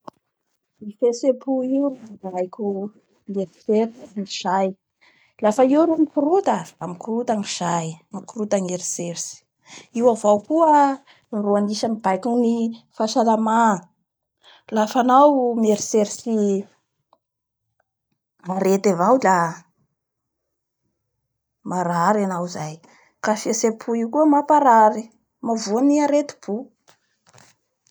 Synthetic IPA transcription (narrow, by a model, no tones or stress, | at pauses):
mifesepuiwrmibajkʲu | ŋeɾiseɾisŋiz̥aj | lafəiwɾumikuɾut̪aamikurut̪aŋiz̥ajŋikuɾut̪aŋeɾiseɾisi̥ | iwavawkuə | nruaniʃamibajkunifaʃalama | lafanawmeɾiseɾsi | maɾet̪avawla | maɾaɾanawzaj | kafiasepʰuiwkuəmapaɾaɾi | mavuaniaɾet̪i̥b̥u